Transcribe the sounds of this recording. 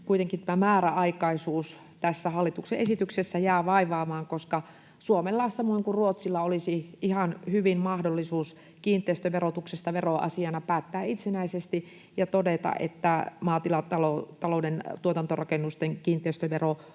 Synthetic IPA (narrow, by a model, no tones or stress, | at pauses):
kuit̪eŋkint̪æmæmæːræɑikɑisuːs | t̪æsːæhɑlːit̪ukseʔʔesit̪yksesːæjæːʋɑiʋɑːmɑːŋkoskɑ | suomelːɑˑːsːɑmoiŋkurruot̪silːɑolisiʔihɑnhyʋimmɑhdolːisuːs | kiːnt̪ːˑeist̪øʋerot̪uksest̪ɑʋeroʔɑ̰siɑnɑpæːt̪ːæːʔit̪senæisest̪i | jɑt̪odet̪ɑ̰ʔḛt̪ːæmɑːt̪ilɑt̪ɑloˑt̪ɑloːdent̪uot̪ɑnt̪orɑkenːust̪eŋkiːnt̪ːˑeːst̪øʋero